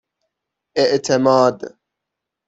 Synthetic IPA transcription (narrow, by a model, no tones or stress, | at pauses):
ʔɪʔt̪ʰɪmaːd̪